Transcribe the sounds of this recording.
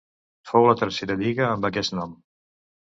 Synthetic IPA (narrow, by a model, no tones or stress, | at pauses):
fowlət̪əɾseɾəʎiɣəːmbəkɛsnɔm